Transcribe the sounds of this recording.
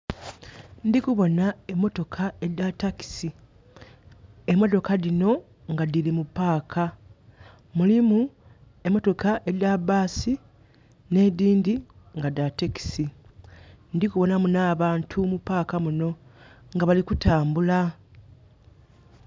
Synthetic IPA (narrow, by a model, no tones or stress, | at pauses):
ndikuβo̞nae̞mːo̞to̞kʰae̞ataki̥si | e̞mːo̞to̞kalino̞ | ŋɡadilimupaːkʰa | mulimu | e̞mːo̞to̞kaʔeabaːsi | ne̞diːndi | ŋɡadateki̥si | ndikuβo̞namunaːβaːntʰumupaːkamuno̞ | ŋɡaβalikutaːmbula